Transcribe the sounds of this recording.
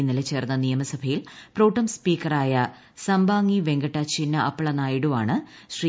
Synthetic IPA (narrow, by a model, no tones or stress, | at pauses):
inːilet͡ɕe̞ːrnːɐnijɐmɐsɐbʱɐjilproːʈːɐmspiːkːɐraːjɐ | sɐmbaːŋːiʋe̞ŋɡɐʈːɐt͡ɕinːɐʔɐpːɐɭɐnaːjiɽumaːɳɨ | ɕriː